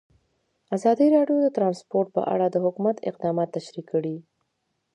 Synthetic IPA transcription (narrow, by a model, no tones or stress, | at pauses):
azɑd̪iɾɑɖjod̪ət̪ɾɑnspoɾʈ̪̚pə̰ʔa̰ɽad̪əhʊkumat̪ɪ̰q̚d̪ɑmɑt̪ːaʃɾikʰːəɽi